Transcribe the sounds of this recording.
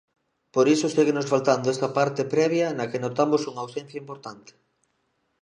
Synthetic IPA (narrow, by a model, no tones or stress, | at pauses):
poɾisʊsiɣenosfalt̪and̪oɛst̪ɐpaɾt̪epɾɛβjɐnɐkenot̪amosuŋɐaːwsɛn̟θjɐimpoɾt̪ant̪e̥